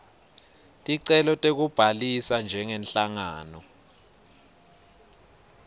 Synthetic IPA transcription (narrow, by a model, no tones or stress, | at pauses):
tʼiǀɛlɔtʼek̬ub̥ʱalisand͡ʒʱɛŋɛnɬaŋa̰ːnɔ